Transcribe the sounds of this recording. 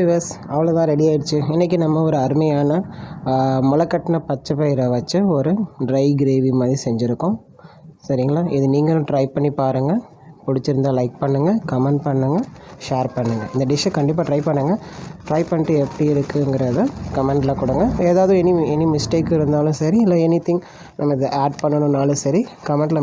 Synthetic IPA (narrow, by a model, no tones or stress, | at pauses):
ʋesɐʋɐɭot̪ãːɾɛɽijaːjɪɽɯt͡ʃːɯɛnːɛk̬ʲːinɐmːɐɔɾɯɐɾɯmɐjaːnɐ | mʊlɐkːɐʈːɐnɐpɐt͡ʃːɐpːɐːɪɾɐʋɐt͡ʃːɯɔɾɯɖɾɐɪɡɪɾeːʋimaːðɾisɛɲd͡ʒɪɾɯkːʊ̃ | sɐɾɪŋɡɐɭaːʔɪðɯniːŋɡɐlʊ̃ʈɾɐɪpːɐɳːipaːɾɯŋɡɐ | pʊɽɪt͡ʃːɪɾɯnd̪aːlɐɪk̚pɐɳːɯŋɡɐkɐmɛɳɖpɐɳːɯŋɡɐʃeːɾpɐɳːɯŋɡɐ̰ɪnd̪ɐɖɪʂɐkɐɳɖɪp̬ːaːʈɾɐɪpɐɳːɯŋɡɐʈɾɐɪpːɐɳɪʈːɯɛpːɐɽiɪɾɯkːɯŋɡɪɾɐðɯkɐmɛɳɖlɐkʊɽɐŋɡɐeːðaːʋɐðɯ̃ɛniɛnːimɪsʈeːkːɪɾɯnd̪aːlʊ̃sɐɾiɪlːɐɛnɪt̪ɪŋ | nʔɐmːɐɪðɯʔaːɖ̚pɐɳːɐnʊ̃naːlɯ̃sɐɾikɐmɛ̃ɳɖlɐ